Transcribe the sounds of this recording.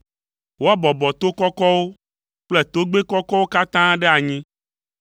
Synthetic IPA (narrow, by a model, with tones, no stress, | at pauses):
wo˦a˦bɔ˨bɔ˨t̪o˦kɔ˦kɔ˦wo˦ | k͡ple˦t̪o˦ɡ͡be˦kɔ˦kɔ˦wo˦ka˦t̪ã˦ɖe˦a˨ɲĩ˦